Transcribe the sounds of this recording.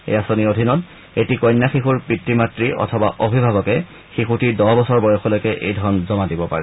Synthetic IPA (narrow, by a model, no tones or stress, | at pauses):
ḛjasoniodʱinɔt | etikɔjnːaxixuɹpɹitɹimatɹiʔɔ̰tʰɔbaʔobʱibʱaβɔkɛ | xixutidɔbɔsɔɹbɔjɔxʰɔlojkɛʔḛjdʱɔɹɔnzɔmadibɔpa̰ɹɛ